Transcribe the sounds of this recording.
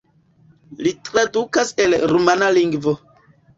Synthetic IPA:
litɾadukaselɾumanaliŋɡvo

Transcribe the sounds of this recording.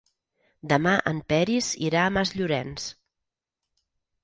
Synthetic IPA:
d̪əmaʔə̰mpɛɾizḭɾaəmazʎuɾɛns

